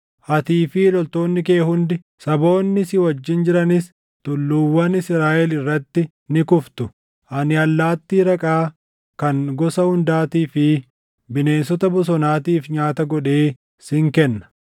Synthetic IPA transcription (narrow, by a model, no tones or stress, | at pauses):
hɐt̪iːfɪlɔlt̪o̞ːnːɪke̞ːhʊnd̪ɪ | sɐbo̞ːnːɪsɪwɐd͡ʒːɪnd͡ʒɪɾɐnɪs | t̪ʊlːuːwːɐnɪsɾaːʔɛlɪrːɐt̪ːɪ | nɪkʊft̪ʊ | ʔɐnɪɐlːaːt̪ːiːɾɐkʼaː | kɐŋɡɔsɐhʊnd̪aːt̪iːfɪ | bɪne̞ːnsɔt̪ɐbʊs̬ɔnaːt̪iːfɲaːt̪ɐɡɔᶑe̞ː | sɪŋkɛnːɐ̥